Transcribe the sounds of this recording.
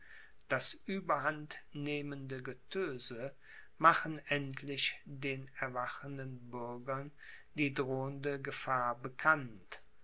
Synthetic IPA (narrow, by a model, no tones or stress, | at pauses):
d̥asʔyːbɐhantneːməndəɡətʰøːzə | maχənʔɛntʰlɪçdeːnɛɐvaχəndənbʏɐɡɐn | diːdʁoːəndəɡəfaːɐbəkʰant